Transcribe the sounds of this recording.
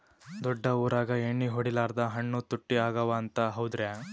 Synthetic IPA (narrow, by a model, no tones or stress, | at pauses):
d̪ɔɖːɐuːɾaːɡɐeɳːiɦoɽilaːɾd̪ɐɦɐɳːut̪uʈːiaːɡɐʋaːnt̪ɐɦɐwd̪ɾe